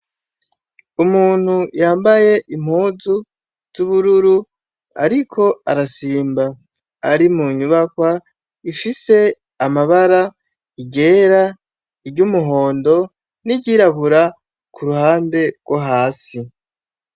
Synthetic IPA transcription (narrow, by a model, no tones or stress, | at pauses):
umuːn̥hujaːmbaje̞ʔim̥huːzu | z̥uβuɾuɾu | a̰ɾikʰo̞a̰ɾasiːmbaː | ɾimuɲuβakwa | ifise̞ | amaβaɾa | iɟe̞ːɾa | iɾɟumuɦo̞ːndo̞ | niɟiɾaβuɾa | kʰuɾuɦaːnde̞ɡ̥woɦaːsi